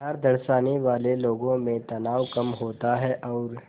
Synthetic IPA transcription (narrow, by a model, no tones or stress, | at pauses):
ɦɐɾd̪ɐɾʃaːniʋaːleloːɡõmẽt̪ɐnaːwkɐmɦoːt̪aɦɛʔɔːɾ